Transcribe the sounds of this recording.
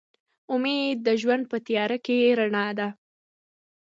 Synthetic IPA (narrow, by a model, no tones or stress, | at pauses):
ʊmed̪ːəʒwand̪̚pət̪ijɑɾakeɾaɳɑd̪a